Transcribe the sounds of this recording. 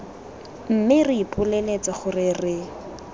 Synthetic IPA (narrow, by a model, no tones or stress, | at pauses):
m̩mɪrɪipʼʊlelet͡saχʊrɪrɪ